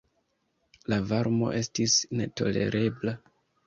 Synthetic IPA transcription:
lavaɾmo̞̰ʔe̞stisne̞to̞̰le̞̰ɾe̞bla

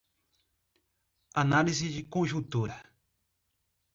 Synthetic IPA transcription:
analisid͡ʒikõʒũt̪uɾa

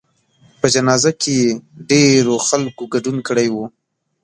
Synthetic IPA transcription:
pəd͡ʒanɑzakeeɖeɾoxalkoɡaɖunkəɽajwu

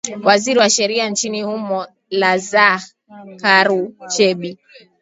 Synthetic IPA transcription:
waziɾiwaʃɛɾiant͡ʃinihumɔ | laza | kaɾut͡ʃɛɓi

